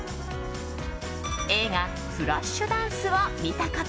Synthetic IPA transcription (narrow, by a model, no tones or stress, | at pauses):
e̞ːɡa | ɸɯɾaɕːɨd̪ãɰ̃sɨβamʲit̪aka